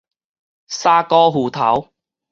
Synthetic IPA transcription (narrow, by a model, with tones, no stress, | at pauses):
saː˥kɔː˥ɦuː˨t̪ʰɐ̰˨˥w